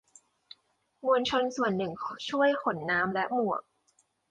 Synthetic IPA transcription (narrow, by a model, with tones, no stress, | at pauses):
mu˧ənt͡ɕʰo˧nsu˨˩ənːɯ˨˩ŋt͡ɕʰu˥˩əjkʰo˩˦nːaː˦˥mlɛ˦˥ʔmu˨˩ək̚